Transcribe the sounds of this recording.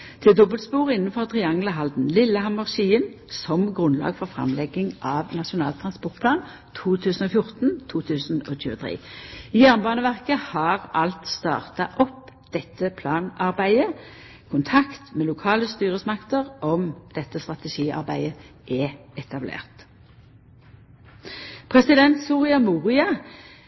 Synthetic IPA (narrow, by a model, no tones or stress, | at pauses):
t̪ʰɪld̪ɔbəlt̪spuːʁɪnːənfɔʁt̪ʰʁɪɑŋləɦɑld̪n̩lɪlːəɦɑmʉʁʃiːənsɔmɡʁʉnlɑ̰ːɡfɔʁfʁɑ̰mlɛɡɪŋʔɑʋnɑʃʊnɑːlt̪ʰɾʁɑnspɔʁt̪̚pʰlɑːn | t̪ʰuːt̪ʰʉːsən̩ɔːfjʊʁt̪nt̪ʰuːt̪ʰʉːsnoːc͡çʉːət̪ʰʁḛːijæʁnbɑːnəʋæʁkəhɑʁʔɑlt̪st̪ɑ̰ːʁt̪ɑʔɔpd̪̥ɛt̪ːəpʰlɑːnɑʁbæɪə | kʰʊnt̪ʰɑkt̪meːlʊkʰɑːləst̪yːʁəsmɑkt̪əʁʔɔmd̪̥ɛt̪ːəst̪ʁɑt̪ɛʃiːɑ̰ʁbæ̰ɪə | ʔɛɛt̪ʰɑblḛːʁt̪ | pʰʁɛsɪd̪ɛnt̪suːʁɪɑmuːʁɪɑ